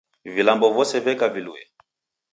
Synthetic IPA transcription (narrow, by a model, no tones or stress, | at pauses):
vilambɔvɔsɛvɛkaviluɛ̰